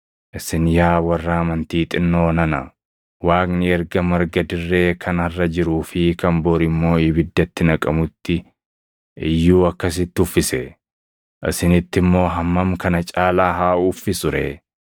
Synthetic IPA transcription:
ʔɪsɪnjaːwɐrːaːmɐnt̪iːt̪ʼɪnːo̞ːnɐnɐ̰ | waːknɪɛɾɡɐmɐɾɡɐd̪ɪrːe̞ːkʰɐnɐrːɐd͡ʒɪɾuːfɪkɐmboːɾɪmːo̞ːɪbɪd̪ːɐt̪ːɪnɐkʼɐmʊt̪ːɪ | ʔɪjːuːɐkːɐs̬ɪt̪ːɪʊfːɪsɛ | ʔɪ̰sɪnɪt̪ːɪmːo̞ːɦɐmːɐmkɐnɐt͡ʃʼaːlaːɦaːuːfːɪsʊɾḛː

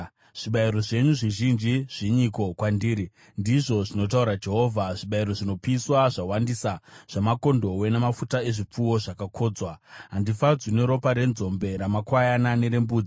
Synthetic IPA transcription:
ʐ̥iɓaiɾo̞ʐe̞ɲuʐiʒind͡ʒiʐ̥iɲiko̞kwandiːɾi | ndiʐo̞ʐino̞t̬auɾad͡ʒe̞ɦo̞ːvʱaʐiɓaiɾo̞ʐino̞piswaʐawandisaʐ̥amako̞ndo̞we̞nemafutae̞ʐip͡fuwo̞ʐakakʰo̞ːd͡zwaɦandifad͡zwineɾo̞paɾe̞nzo̞mbe̞ɾamakwajanane̞ɾe̞mbuːd͡zi

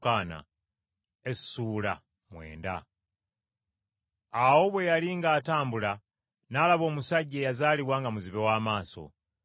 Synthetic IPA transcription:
kaːna̰ | essuːla̰ | mwe̞̰ːnda̰ | awo̞βwe̞jaliŋɡaːtaːmbula | naːlaβo̞ːmusaɟːeːjazaːliβwaːŋɡamuziβewaːmaːso̞̰

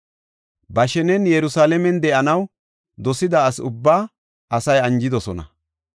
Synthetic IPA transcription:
bɐʃɛnɛnjɛɾʊsaːlɛmɛnd̪ɛʔɐnɐw | d̪ɔsɪd̪aːsʊbːaː | ʔɐsɐjɐnd͡ʒɪd̪ɔsɔnɐ̰

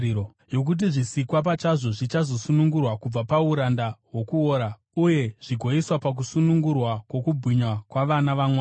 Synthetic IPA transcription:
o | jo̞k̬ut̬iʐisikwap̬at͡ʃaʐo̞ʐit͡ʃazo̞sunuŋɡurwakub͡vapauɾandawo̞kuoːɾa | uje̞ʐ̥iɡʱo̞iswapak̬usunuŋɡurwakwo̞kubʱiɲwakwaʋanaʋamwaː

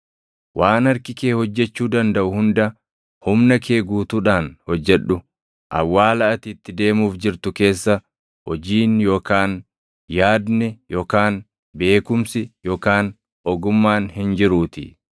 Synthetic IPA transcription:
wʔaːnɐɾkɪke̞ːhɔd͡ʒːɛt͡ʃːuːd̪ɐnd̪ɐʔʊhʊnd̪ɐ | hʊmnɐkʰe̞ːɡuːt̪uᶑaːnhɔd͡ʒːɛᶑʊ | ʔɐ̰wːaːlɐʔɐt̪iːt̪ːɪd̪e̞ːmuːfd͡ʒɪɾt̪ʊke̞ːsːɐ | hɔd͡ʒiːnjo̞ːkaːn | jaːd̪nɛjoːkaːn | be̞ːkʊmsɪjoːkaːn | ɔɡʊmːaːnhɪnd͡ʒɪɾuːt̪ɪ̰

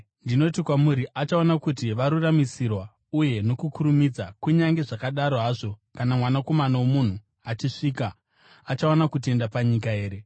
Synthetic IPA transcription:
ndino̞tikwamuɾiʔat͡ʃaonakutiʋaɾuramisirwa | uje̞no̞kukuɾumid͡zakuɲaŋɡe̞ʐakaɗaɾo̞ɦaːʐo̞kanamwanako̞manawomun̤u | at͡ʃiʂiːka | at͡ʃaonakute̞ndapaɲikae̞ːɾe̞

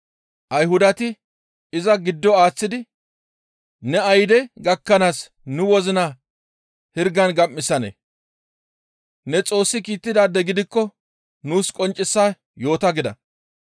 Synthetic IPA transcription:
ʔɐjɦʊd̪ɐt̪ɪ | ɪzɐɡɪd̪ːɔaːt͡sːɪd̪ɪ | nɛɐjd̪ɛɡɐkːɐnaːs | nʊwɔzɪna | hɪɾɡɐnɡɐmːɪsɐnḛ | nɛt͡sʼo̞ːsːɪkiːt̪ːɪd̪aːd̪ɛɡɪd̪ɪkːɔ | nuːskʼɔnt͡ʃʼːɪsːaː | jo̞ːt̪ɐɡɪd̪ɐ̰

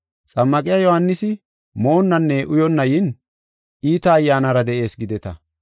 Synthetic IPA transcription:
t͡sʼɐmːɐkʼɪjajɔhɐnːɪsɪ | mo̞ːnːɐnːɛʔʊjɔnːɐjɪn | iːt̪ɐːjːaːnɐɾɐd̪ɛʔe̞ːsɡɪd̪ɛt̪ɐ

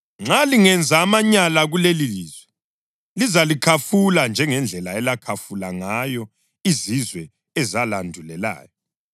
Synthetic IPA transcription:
ŋ͡ǁaliŋɛnd͡zʱaːmaɲalaɣuleliliːzwɛ | lizalikʰafuland͡ʒʱɛŋɛnd͡ɮʱɛlaɛlakʰafulaŋajɔ | izizwɛ | ɛzalandʱulɛla̰ːjɔ

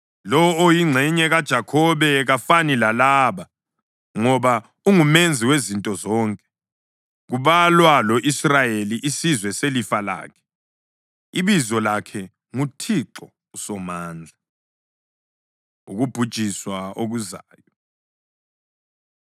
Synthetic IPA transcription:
lɔːjiŋ͡ǀʱɛɲɛɣad̥ʒ̥ʱakʰɔβɛɣafanilalaːβa | ŋɔβa | uŋumend͡zʱiwezintʼɔzɔːŋkʼɛ̥ | ɣuβalwalɔʔisrajeliʔisizwɛselifala̰ːkʰɛ̥ | iβizɔlakʰɛ | ŋutʰiǁɔ | usɔmaːnd͡ɮʱa | ṵɣub̥ʱud̥ʒ̥ʱiswaoɣuzaːjɔ

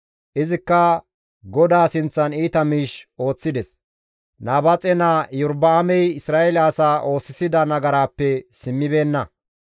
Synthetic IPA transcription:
ʔɪzɪkːɐ | ɡɔd̪aːsɪnt͡sːɐniːt̪ɐmiːʃo̞ːt͡sːɪd̪ɛs | naːbɐt͡sʼɛnaːjʊɾbɐːmɛjɪsɾaːʔɛlaːsaːʔo̞ːsːɪsɪd̪ɐnɐɡɐɾaːpːɛsɪmːɪbe̞ːnːɐ

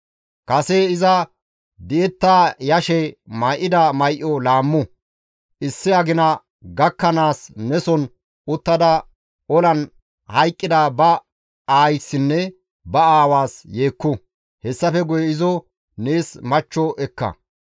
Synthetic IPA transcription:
kɐseɪzɐ | d̪ɪʔɛt̪ːaːjɐʃɛmɐjʔɪd̪ɐmɐjʔɔlaːmːʊ | ʔɪsːɪɐɡɪnɐ | ɡɐkːɐnaːsnɛsɔn | ʊt̪ːɐd̪ɐ | ɔlɐn | hɐjkʼːɪd̪ɐbɐ | aːjsːɪnːɛ | bɐaːwaːsje̞ːkːʊ | hɛsːɐfɛɡʊjɛɪzɔ | neːsmɐt͡ʃːɔʔɛkːɐ̰

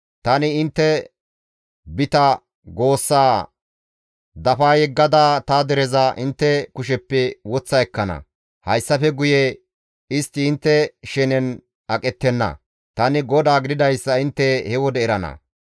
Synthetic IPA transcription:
t̪ɐnɪɪnt̪ːɛ | bɪt̪ɐ | ɡo̞ːsːaː | d̪ɐfaːjɛɡːɐd̪aːt̪ɐd̪ɛɾɛzɐʔɪnt̪ːɛkʊʃɛpːɛwɔt͡sːɐɛkːɐnɐ̰ | hɐjsːɐfɛɡʊjɛ | ɪst̪ːɪːnt̪ːɛʃɛnɛn | ɐkʼɛt̪ːɛnːɐ̰ | t̪ɐnɪɡɔd̪aːɡɪd̪ɪd̪ɐjsːɐɪnt̪ːɛhɛwɔd̪ɛɪɾɐnɐ̰

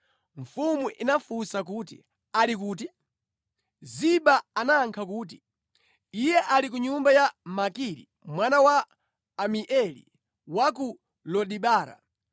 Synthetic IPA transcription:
ɱ̩fumuʔinafusak̬uːtḭ | alik̬uːt̬i | ziɓaanaŋkʰakuːt̬i̥ | ijɛʔalik̬uɲumbajamakiɾḭ | mwanawaː | miʔɛlḭ | wak̬u | lɔɗiɓaːɾa̰

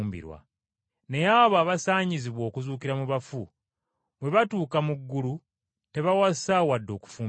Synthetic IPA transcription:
mbḭɾwa̰ | ne̞jaβaːβasaːɲiziβwo̞ːkuzuːkiɾamuβafṵ | βwe̞βatuːkamuɡːulu | te̞βawasawadːo̞ːku̥fuːm

